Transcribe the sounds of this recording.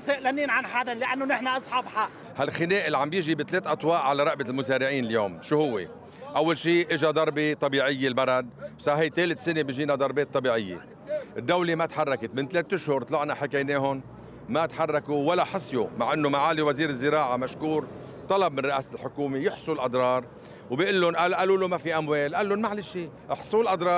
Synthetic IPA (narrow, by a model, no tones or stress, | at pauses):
saʔlaniːnʕanħad̪alɪʔanːʊnɪħnaʔɑsˤħɑbħaʔ | halxɪneːʔɪlːʕambjɪʒibɪt̪leːt̪ʔɑt̪ˤwɑːʔʕalaɾˤɑʔbɪlmʊzeːɾɪʕiːnɪljoːmʃuːhʊwːḛ | ʔawːalʃiːʔɪʒad̪ˤɑɾˤbet̪ˤɑbiːʕɪjːelbɑɾˤɑd̪̚sɑːhajt̪eːlɪt̪sɪnebiʒiːnad̪ˤɑɾˤbeːt̪ˤːɑbiːʕɪjːḛ | ʔɪd̪ːawlemat̪ħarˤːɑkɪt̪mɪnt̪leːt̪ːʊʃhʊɾˤt̪ˤlɑʕnaħakajneːɦʊn | mat̪ħarˤːɑkuwalːaħɑsˤjomaʕʔɪnːʊmaʕaːliwaziːɾɪzːɪɾɑːʕamaʃkuːɾ | t̪ˤɑlɑb̚mɪnɾɪʔaːslħʊkuːmejɪħsˤulʔɑd̪ˤɾˤɑːɾˤ | wbiʔɪlːʊnʔalʔaluːlʊmafiʔamweːlʔalːʊnmaʕlaʃiː | ʔɪħsˤulʔɑd̪ˤɾˤɑː